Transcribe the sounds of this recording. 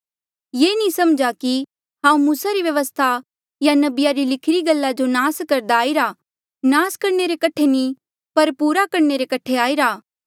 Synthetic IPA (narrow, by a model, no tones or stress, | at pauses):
jeːnĩsɐmd͡ʒaki | ɦãːũmuːsaɾiʋjɐʋəst̪ʰa | janɐbɪjaɾilɪkʰɪɾiɡɐlːad͡ʒonaːskɐɾd̪aːiɾa | naːskɐɾneɾekɐʈʰenĩ | pɐɾpuːɾakɐɽneɾekɐʈʰeaːiɾaː